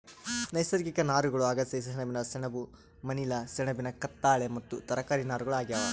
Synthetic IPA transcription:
nɐjsɐɾkikɐnaːɾuɡɐɭuɐɡɐsɐjs̬ɐsɛɳɐbinɐsɛɳɐbu | mɐnilɐsɛɳɐbinɐkɐt̪ːaːɭemɐt̪ːut̪ɐɾɐkaːɾinaːɾuɡɐɭuaːɡijaʋɐ

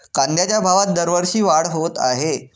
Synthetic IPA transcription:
kãnd̪jat͡ɕjabʱaʋat̪̚d̪əɾʋəɾɕiːʋaɽɦot̪a̰ɦe

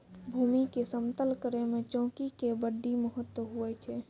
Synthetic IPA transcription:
bʱumikesəmt̪əlkəɾemet͡ʃɔ̃ːkikebəɖːiməɦət̪wəɦuɛt͡ʃʰɛ

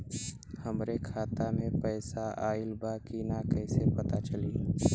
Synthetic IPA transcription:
həmɾekʰaːt̪amẽpɛːsaʔaːɪlbakinakɛːsepɐt̪at͡ʃəliː

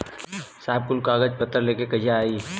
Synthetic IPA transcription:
saːɦɪb̚kʊlkaːɡəd͡ʒpət̪ːəɾleːkekɐd͡ʒʱaaːiː

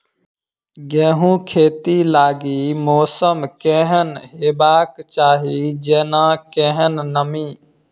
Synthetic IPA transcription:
ɡɛ̃ːɦũːkʰeːt̪ilaːɡiːmɔːsəmkɛ̃ːɦənɦeːbaːkt͡ʃaːɦid͡ʒɛːnãːkɛ̃ːɦənːəmĩː

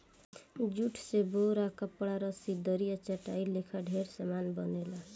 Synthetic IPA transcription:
d͡ʒuʈʰseboɾakəpɽaɾʌsid̪ʱəɾijat͡ʃəʈailekʰaɖʱeɾsəmanbʌnela

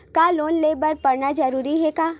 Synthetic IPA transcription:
kaːloːnleːbəɾpɐɾnad͡ʒɐɾuːɾiɦɛkaː

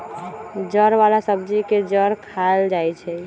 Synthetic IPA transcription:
d͡ʒəɾbalasəbd͡ʒiked͡ʒəɾkʰald͡ʒajt͡ʃʰɛ

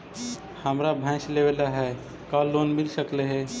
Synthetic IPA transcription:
həmɾabʱãslewelaɦɛ | kalonmilsəkleɦɛ

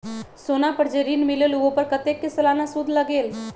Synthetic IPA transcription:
soːnapəɾd͡ʒeɾiːnmɪleluɡõpəɾkət̪ekːesɐlaːnasʊd̪ʱləɡeːl

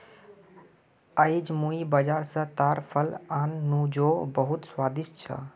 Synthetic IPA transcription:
əjd͡ʒmuibəd͡ʒaːɾsə̃t̪aɾpʰəlanːũd͡ʒobəɦut̪swad̪ist͡ʃʰə̰

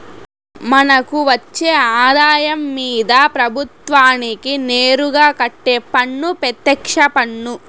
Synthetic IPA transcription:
mɐnɐkuʋɐt͡ʃːeːaːd̪aːjɐmːiːd̪ɐpɾɐbʱut̪ʋaːnikineːɾuɡaːkɐʈːeːpɐɳːupɛt̪ːɛkʂɐpɐɳːu

